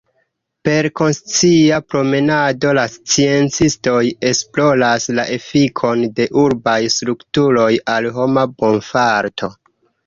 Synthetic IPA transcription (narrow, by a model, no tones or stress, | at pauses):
pe̞ɾko̞nst͡siapɾo̞me̞nado̞last͡sie̞nt͡sisto̞je̞splo̞laslaʔe̞fikʰo̞nde̞ʔuɾbajstɾuktuɾo̞jalɦo̞mabo̞nfaɾtʰo̞